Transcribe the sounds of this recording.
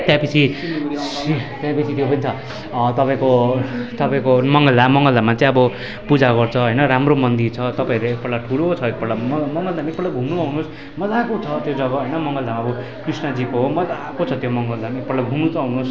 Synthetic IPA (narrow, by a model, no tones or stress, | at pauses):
t̪jãpit͡sʰi | t̪jãpit͡sʰit̪jopʌnit͡sʰʌ | t̪ʌpaĩkot̪ʌpaĩkomʌŋɡʌld̪amʌŋɡʌld̪amat͡saĩʌbʌ | pud͡zaɡʌrt͡sʰʌɦʌjnʌɾamromʌnd̪it͡sʰʌt̪ʌpãĩɾeek̚pʌɽaʈʰuɽot͡sʰʌek̚pʌɽlamʌmʌŋɡʌld̪ʱamaek̚pʌɽlaɡʱumnuʌɦunus | mʌd͡zakot͡sʰʌt̪jod͡zʌɡʌɦʌjnʌmʌŋɡʌld̪amaʌbʌ | krisnʌd͡zikoɦomʌd͡zakot͡sʰʌt̪jomʌŋɡʌld̪amek̚pʌɽlaɡʱumnut͡sʌɦunus